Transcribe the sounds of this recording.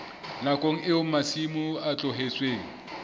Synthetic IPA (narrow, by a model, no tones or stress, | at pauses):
lakʼoŋ̩ʔɪʊmasimʊat͡ɬʼɔɦet͡sʼweːŋ̩